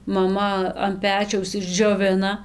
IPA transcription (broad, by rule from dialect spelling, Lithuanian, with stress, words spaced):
mɐˈmɐ ɐn ˈpʲæːt͡ʃʲɛʊs ɪʒʲd͡ʒʲoːˈʋʲɪnɐ